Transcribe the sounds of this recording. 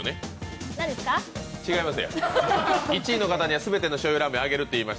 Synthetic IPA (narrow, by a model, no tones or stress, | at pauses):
ne̞nãɲd̪esɨ̥kat͡ɕiɡaimasɨja̰ | it͡ɕiːno̞kat̪aɲ̟iβasɨbe̞t̪e̞no̞ɕojoɾamɯaɡe̞ɾɯ̟t̪ːe̞iːmaɕ